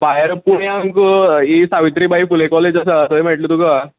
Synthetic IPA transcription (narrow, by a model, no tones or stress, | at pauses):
bajəɾpuɳjaŋkisaʋit̪ɾiːbaifulekɔled͡ʑasaːsəem̤eʈlit̪uka